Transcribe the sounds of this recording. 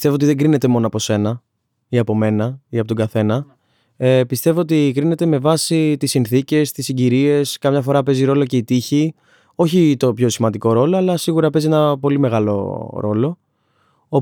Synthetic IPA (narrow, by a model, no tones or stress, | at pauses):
st̪e̞voot̪iðe̞ŋɡɾine̞t̪e̞mo̞noɐpo̞se̞nɐ | iɐpo̞me̞nɐiɐpot̪oɡɐθe̞nɐ | epist̪e̞voot̪ikɾine̞t̪e̞me̞vɐsit̪isinθice̞st̪isiɲɟiɾie̞skɐmɲɐfo̞ɾɐpe̞ziɾo̞lo̞ce̞it̪içi | o̞çit̪o̞pço̞simɐnd̪iko̞ɾo̞lo̞ɐlɐsiɣuɾɐpe̞zie̞nɐpo̞lime̞ɣɐlo̞̰ɾo̞lo̞ | o